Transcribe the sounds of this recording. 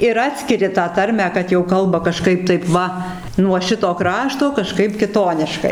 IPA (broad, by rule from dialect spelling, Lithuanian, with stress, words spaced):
ɪr ˈɑːtʲsʲkʲɪrʲɪ tɑː ˈtɐrʲmʲæː kɐt jɛʊ ˈkɐlˠbɐ kɐˈʃkɐɪp ˈtɐɪp ˈʋɐ nuɔ ˈʃʲɪtoː ˈkrɑːʃtoː kɐˈʃkɐɪp kʲɪˈtoːnʲɪʃkɐɪ